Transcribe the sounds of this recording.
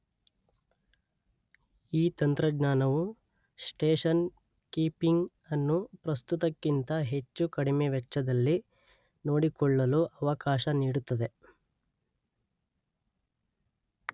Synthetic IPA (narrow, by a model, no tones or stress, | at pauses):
iːt̪ɐnt̪ɾɐɡnaːnɐʋu | sʈeːʂɐn | kiːpiŋɡ | ɐnːupɾɐst̪ut̪ɐkːint̪ɐɦe̞t͡ʃːukɐɽimeʋɛt͡ʃːɐd̪ɐlːi | no̞ːɽikɔɭːɐluʔɐʋɐkaːʃɐniːɽut̪ːɐd̪e̞